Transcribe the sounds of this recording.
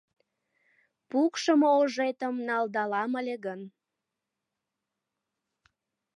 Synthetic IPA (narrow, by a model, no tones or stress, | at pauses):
pukʃəmooʒet̪əmnɑld̪ɑlɑməlʲeɣən